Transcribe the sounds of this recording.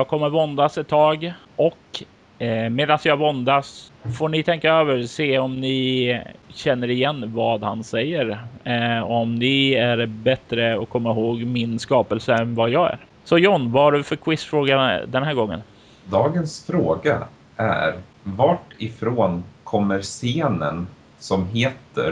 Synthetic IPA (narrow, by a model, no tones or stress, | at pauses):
jɑːɡ̚kʰɔmːəɾvɔnd̪asɛt̪ʰːɑːɡ | ʔɔk | meːd̪ansjɑːvɔnd̪asfoːɳɪt̪ʰɛŋkaøːvəɾseːɔmnɪ | ɕɛnːəɾɪjɛnːvɑːd̪ha̰nsɛjːəɾ | ɔmnɪæɾbɛt̪ɾəɔkʰːɔmːaɦoːɡmɪnskɑːpəlsəɛnvajɑːɡæ̰ɾ | sɔjɔnːvaaɖɵfœɾkʰwɪsfɾoːɡad̪ɛnɦæːɾɡɔŋːə̰n | d̪ɑːɡənsfɾoːɡa̰ | ʔæ̰ɾ | vaʈɪfɾoːnkʰɔmːəɾseːnə̰n | sɔmɦeːt̪ə̰ɾ